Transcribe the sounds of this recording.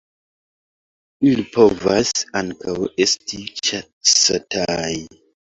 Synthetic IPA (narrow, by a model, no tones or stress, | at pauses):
ilipʰo̞vasaŋkawestit͡ʃa | satʰaj